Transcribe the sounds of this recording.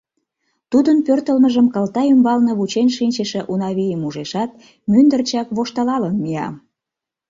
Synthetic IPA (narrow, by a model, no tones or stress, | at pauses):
t̪ud̪ənpørt̪əlməʒəmkɑlt̪ɑymbɑlneβut͡ɕenʲʃinʲt͡ɕəʃĕʔunɑβijəmuʒeʃɑt̪̚ | mynd̪ərt͡ɕɑkβoʃt̪ɑlɑlənmijɑ̰